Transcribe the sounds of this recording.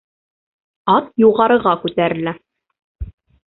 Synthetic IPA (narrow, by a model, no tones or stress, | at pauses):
ɑt̪̚juʁɑɾɤ̆ʁɑkʉt̪æɾɘ̆læ